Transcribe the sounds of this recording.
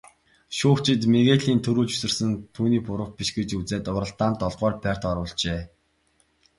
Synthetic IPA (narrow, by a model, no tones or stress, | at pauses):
ʃuːxt͡ɕʰɪ̆t̪meɣeːɮiːnt̪ʰɵɾuːɮt͡ɕu̥sɘ̆rsɘ̆nt̪ʰuːniːpʊɾə̆w̚piʃɡet͡ɕut͡seːt̪ʊɾə̆ɬt̪aːnt̪ɔɮʁœːrpʲær̥ʲt̪ɔɾʊːɮt͡ɕeː